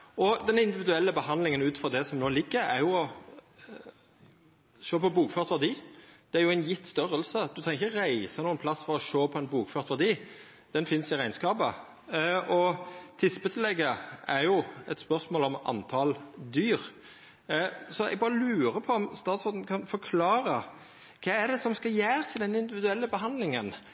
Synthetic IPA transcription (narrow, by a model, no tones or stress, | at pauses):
ɔd̪ɛnɪnd̪ɪʋɪd̪ʉɛlːəbəhɑnd̪lɪŋənʉːt̪fɔʁd̪ɛsɔmnoːlɪɡːəɾæ̰ɾjʊɔ | ʃoːpɔbuːkfœːʁt̪ʋæʁd̪iːd̪̥ɛæɾjʊæɪnjɪt̪ːst̪œʁəlsəd̪ʉkʰɑnɪçəʁæɪsənuːənpʰlɑsːfɔɾɔʃoːpʰɔɛnbuːkfœːʁt̪ʋæʁd̪iː | d̪̥ɛnfɪnsɪɾæɪnskɑːbə | ʔɔt̪ʰɪsbət̪ʰəlɛɡːəæɾjʊɛt̪spœʁsmoːlɔmɑ̰nt̪ʰɑld̪yːɾ | sɔɛ̰ɡ̚bɑːɾəlʉːɾəpʰɔɔmst̪ɑːt̪sfɔd̪n̩kʰɑnfɔkʰlɑːɾə | kʰɑːæd̪ɛsɔmskɑljæːɾəsɪd̪ɛnɪnd̪ɪʋɪd̪ʉɛlːəbəɦɑnd̪lɪŋən